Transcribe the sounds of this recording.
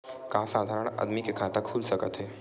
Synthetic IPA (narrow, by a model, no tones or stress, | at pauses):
kasad̪ʱaɾəɳə̰d̪mikekʰat̪əkʰuːlsəkət̪ɦe